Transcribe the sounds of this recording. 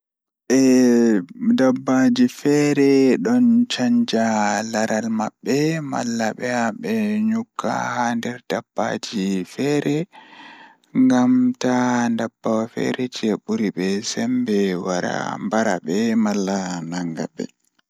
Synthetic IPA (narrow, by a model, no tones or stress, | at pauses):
ʔɛ | dabːad͡ʒifɛɾɛɗɔnt͡ʃaɲd͡ʒalaɾʔalma̰ɓːɛma̰lːaɓɛaɓɛɲukʰːa̰handɛɾdabːa̰d͡ʒifɛːɾɛ | ŋɡamtandab̥ːawafɛ̰ɾɛt͡ʃeɓuɾiɓɛsɛmbɛwaɾa̰mbaɾa̰ɓɛmalːanaŋɡa̰bɛ̰